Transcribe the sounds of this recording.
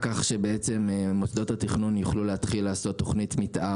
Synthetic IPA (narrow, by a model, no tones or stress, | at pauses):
kaχʃe̞beet͡se̞mmosd̪o̞t̪hatiχnunjuχlulehat̪χilːaːso̞t̪ːo̞χnitmitʔa